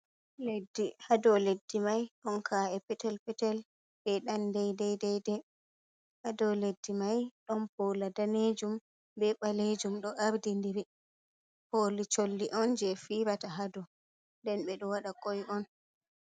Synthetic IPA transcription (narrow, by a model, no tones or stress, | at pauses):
ledihadɔledːimajɗɔnkʰaɛpɛtɛlpɛtɛl | bɛɗandɛjdɛjdɛjdɛ | hadɔledːimajɗɔnpɔladaned͡ʒum | bɛɓaled͡ʒumɗɔʔaɾdindiɾi | polit͡ʃolːiʔɔnd͡ʒɛfiɾataɦadɔ | ndɛnɓɛɗɔwaɗakɔjʔɔn